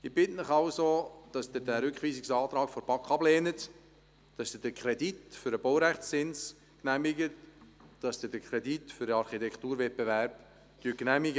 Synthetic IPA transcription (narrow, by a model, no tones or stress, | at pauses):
ɪb̥ɪtnɪχɑʊsod̥ɑsdɪdæɾʏkχʋiːsiksɑːt̪ɾɑːkfɔɾb̥ɑkχɑbleːnət | d̥ɑsd̪̥əd̥əkʰɾɛditfʏɾəbowɾæχsːɪns | knæmɪɡətd̥ɑsd̥̪ədəkχɾɛditfʏɾəɑɾχitɛkχtuːɾvɛt̚bevæɾb̥ | tyːknæmiɡə